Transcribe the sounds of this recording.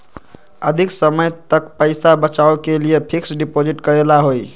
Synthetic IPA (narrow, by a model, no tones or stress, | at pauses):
əd̪ʱiksəməjt̪əkpəɪsabət͡ʃawkelijepʰiksɖipod͡ʒiʈkəɾelaɦoj